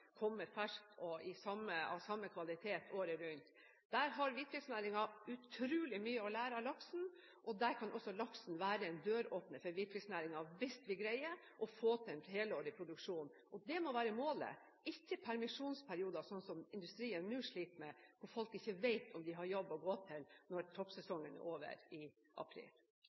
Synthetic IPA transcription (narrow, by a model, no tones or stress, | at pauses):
kʰɔmːəɾfæʂk̚t̪ʰɔɪsɑmːəɑ̰ʋsɑmːəkʰʋɑlɪt̪ʰeːt̪ʰoːɾəɾʉnt̪ | d̪̥æɾɦɑɾʋɪt̪kʰʋɪsnæːɾɪŋɑʉt̪ʰɾʉːlɪmyːəɔlæːɾɑlɑksn̩ | ʔɔd̪æɾkʰɑnʔɔsːɔlɑksn̩ʋæːɾəɛɪnd̪øːɾoːpnəfɔɾʋɪkʰʋɪsnæːɾɪŋɑʋɪst̪ʋɪɡɾæɪə | ʔɔfoːt̪ʰɛnt̪heːləoːɾɪpʰɾʊd̪ʉkʂuːnʔɔd̪ɛmɔʋæːɾəmoːlə̰ | ɪçːəpʰæɾmɪʂuːnspʰæɾɪuːd̪ɑsɔnːsɔmɪnd̪ʉst̪ɾiːənːʉːʂɭiːt̪mɛkʰʊɾfɔlkɪçːəʋæɪt̪ʰɔmd̪ɪɦɑɾjɔbːɔɡoːt̪ʰɪlnɔɾt̪ʰɔpsɛsɔŋːənæ̰ɾoːʋə̰ɾɪ | ʔɑ̰pʰɾḭːl